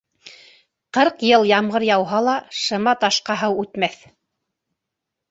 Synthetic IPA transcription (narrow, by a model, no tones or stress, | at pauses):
qɤɾqjɤlˠjɑmʁɤɾjɑwɦɑlˠɑʃɤ̆mɑt̪ɑʃqɑɦɤwʉt̪mæθ